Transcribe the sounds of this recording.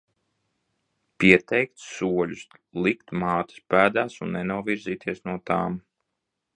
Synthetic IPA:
pʲiɛt̪ʰɛjk̚t̪suɔlʲuslˠikt̪maːt̪ḁspæːd̪aːsunːɛnuɔviɾziːt̪ʰiɛsnuɔt̪aːm

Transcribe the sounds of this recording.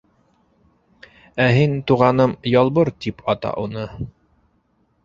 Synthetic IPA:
æɦint̪uʁɑnɤmjɑlˠβɤɾt̪ipʰɑt̪ɑ̰ʔunɤ

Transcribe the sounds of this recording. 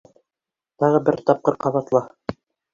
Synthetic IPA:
t̪ɑʁɤbɘɾt̪ɑp̚qɤɾqɑβɑt̪lˠɑ

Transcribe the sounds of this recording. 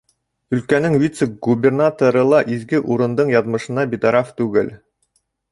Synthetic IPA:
ɵ̆lkænɘŋvʲit̪səɡubʲernat̪oɾɤ̆lˠɑʔizɡɘʔuɾɤ̆nd̪ɤɴjɑðmɤ̆ʃɤ̆nɑbʲit̪ɑɾɑft̪ʉɡɘl

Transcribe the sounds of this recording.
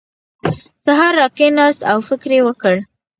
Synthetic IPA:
saɦɑɾːɑkenɑst̪awfɪkɾewəkəɽ

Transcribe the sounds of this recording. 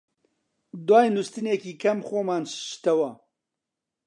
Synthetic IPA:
d̪waːjnust̪ɨneːkiːkʰɐmxoːmaːnʃt̪ɐwɐ

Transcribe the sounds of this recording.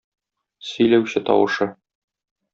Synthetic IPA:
sɵ̆jlæwɕɘt̪ɒ̰wɤ̆ʃɤ

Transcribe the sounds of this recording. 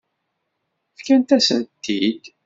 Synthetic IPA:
fkænt̪æsənt̪ʰːid̪

